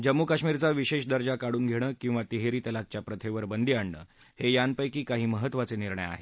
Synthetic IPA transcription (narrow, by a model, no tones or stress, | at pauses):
d͡ʑəmːukaɕmiːɾt͡saʋiɕeɕd̪əɾd͡ʑakaɽuːnɡʱeɽ̃əːkĩw̃ʋat̪iɦeɾiːt̪əlak̚t͡ɕjapɾət̪ʰeʋəɾbənd̪iːaɳɳə̰ː | hejanpəjkiːkaɦiːməɦət̪ːʋat͡seniɾɳəja̰ɦe